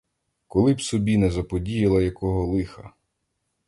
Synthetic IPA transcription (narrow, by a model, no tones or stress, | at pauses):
kɔlˠɪbsɔbʲinɛzɐpɔdʲijɪlˠɐjɐkɔɦɔlˠɪxɐ